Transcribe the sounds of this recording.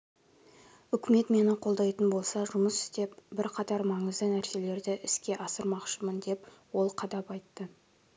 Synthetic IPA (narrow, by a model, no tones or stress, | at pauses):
ʏkʲɪme̞t̪me̞nɪqʰo̞lˠd̪ɑjt̪ənbo̞lˠsɑʒʊməsɪ̥st̪e̞p̚bɪɾqʰɑt̪ɑɾmɑɴəzd̪ənæɾse̞le̞ɾd̪ɪʔɪskʲe̞ʔɑsəɾmɑqʃəmənd̪e̞pwo̞lˠqʰɑd̪ɑpɑjt̪ːə